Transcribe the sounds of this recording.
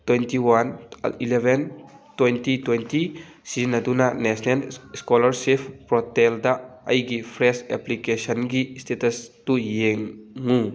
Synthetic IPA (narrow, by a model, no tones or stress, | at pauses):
twentiwan̰ilebʱentwentitwenti | sizinadunanɛsʰnelskɔlɐɾsepʰpɾɔtɛldaɐjɡipʰɾɛsɛplikesɔnɡistetɐstujeŋːu